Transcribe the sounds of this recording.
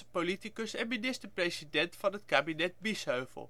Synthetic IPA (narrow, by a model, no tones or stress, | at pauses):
əpolitikəsɛnminɪstəɹprejsidɛntfɑnɦətkaːbinɛt̚bisøɥvə̰lˠ